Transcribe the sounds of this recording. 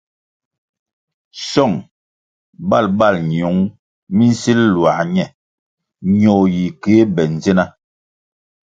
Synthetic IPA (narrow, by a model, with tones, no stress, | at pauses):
sɔ˦˨ŋ | ba˦˨lba˦˨lɲ˨o˨˦ŋ | mi˦n̩˦si˦llwa˨ɲɛ˨ | ɲo˨ji˨ke˨˦bɛ˨n˨ze˦na˦